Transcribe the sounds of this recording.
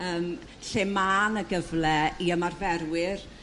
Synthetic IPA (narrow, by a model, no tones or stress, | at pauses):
əːm | ɬeːmaːnəɡəvlɛiəmarvɛɾwɪr